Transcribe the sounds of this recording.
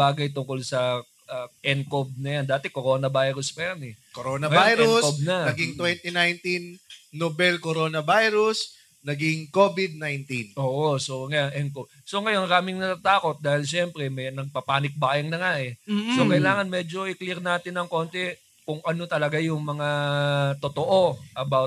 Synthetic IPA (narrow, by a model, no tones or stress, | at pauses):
baːɡɐjt̪ʊŋko̞lsɐ | ʔaʔɛnkob̚nɐjand̪aːt̪ɛkoɾo̞ːnɐbajɾʊspɐjanɛ | koɾoːnɐbajɾʊskob̚nɐnɐɡiŋt̪wɛnt̪inajnt̪inːobɛlkoɾoːnɐbajɾʊs | nɐɡiŋkobɪd̪̚najnt̪inʔoːʔosoŋɐjanʔɛŋkob̚ | so̞ŋɐjonŋɾaːmɪŋnɐt̪aːt̪aːko̞t̪̚d̪aːhɪlʃɛmpɾɛmɐjnɐɡ̚pɐpaːnɪk̚baːjɐŋnɐŋaʔɛsokɐjlaːŋɐnmɛd͡ʒo̞ʔɪklɛɾnaːt̪ɪnɐŋko̞ːnt̪ɛ | kʊŋʔɐno̞t̪ɐlɐɡajʊŋmɐŋat̪ot̪oʔo̞ʔɐbawt̪